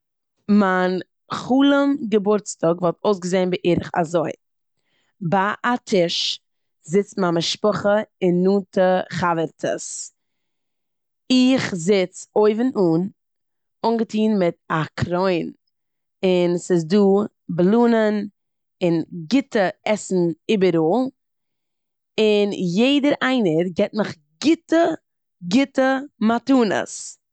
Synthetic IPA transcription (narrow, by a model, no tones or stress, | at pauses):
man | χuːlˠəmɡəbʊɾt͡stɔɡvɔlˠtʰoʊsɡəzeɪnbɪʔiɾəχa̰zoɪ | baʔatʰɪʃ | zɪt͡stmamɪʃpɔχəɪnːuːtəχavəɾtʰə̰s | ɪχzɪt͡soɪvɪnuːn | ʊŋɡətiːnmɪtakʰɾɔɪn | ɪnsɪzduː | blˠuːnən | ɪnɡɪtəɛsn̩ɪbəɾoːlˠ | ɪnjeɪdəɾaɪnəɾɡɛt̚məχ | ɡɪtə | ɡɪtəmatuːnə̰s